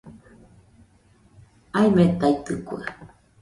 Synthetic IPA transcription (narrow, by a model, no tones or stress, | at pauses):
aemet̪ait̪ɨkua̰